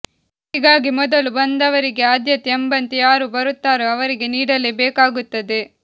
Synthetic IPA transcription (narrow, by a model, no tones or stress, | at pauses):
ɦiːɡaːɡimɔd̪ɐlubɐnd̪ɐʋɐɾiɡe̞aːd̪jɐt̪ɛmbɐnt̪ijaːɾubɐɾut̪ːaːɾuɐʋɐɾiɡe̞niːɽɐleːbɛːkaːɡut̪ːɐd̪e